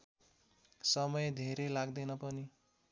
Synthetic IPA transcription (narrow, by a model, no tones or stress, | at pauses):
sʌmʌjd̪ʱeɾelaɡd̪enʌpʌni